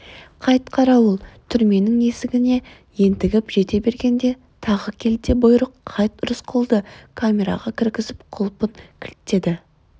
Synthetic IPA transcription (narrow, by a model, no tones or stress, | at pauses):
qʰɑjt̪qʰɑɾɑwʊlˠt̪ʰʏɾme̞nɪŋe̞sɪɡʲɪne̞ | je̞nt̪ɪɡʲɪpʒ̥e̞t̪e̞be̞ɾɡʲe̞nd̪e̞ | t̪ʰɑʁəkʲʰe̞lt̪ebʊjɾʊqʰːɑjt̪ɾəsqʰolˠd̪əkʰamʲe̞ɾɑ̰ʁɑkʲʰɪɾɡʲɪzɪp̚qʰʊlˠpəŋkʲʰɪlt̪ːe̞d̪ɪ